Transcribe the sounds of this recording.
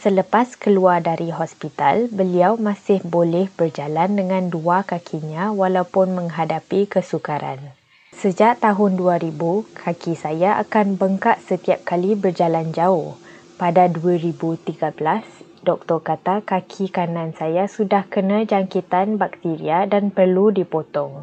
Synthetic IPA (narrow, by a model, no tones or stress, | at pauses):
sələpaskəluardaɾiɦɔspit̪a̰lbəliawmãsɪhbolɛhbərd͡ʒalandəŋãnduakakʰiɲãwalawpʊnmə̃ŋɦadapikəsukaɾa̰n | səd͡ʒaʔt̪aɦʊnduaɾibukʰakisajaʔa̰kanbəŋkaʔ̪̚sət̪iap̚kalibərd͡ʒaland͡ʒaʊh | padaduaɾibut̪iɡabəlas | dɔk̚t̪ɔrkat̪akakʰikanãnsajasudahkənãd͡ʒaŋkit̪anbak̚t̪iɾiadanpərludipot̪ɔŋ